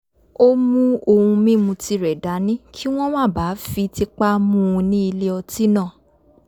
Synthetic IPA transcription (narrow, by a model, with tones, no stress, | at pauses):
o˦mũ˦o˧hũ˧mĩ˦˨mũ˧ti˧ɾɛ˨da˨˦nĩ˦kʰi˦w̃ɔ̃˦w̃ã˦˨ba˨˦fi˧ti˧k͡pa˦mũ˦˨ũ˧nĩ˦i˧le˦ɔ˧ti˦nã˦˨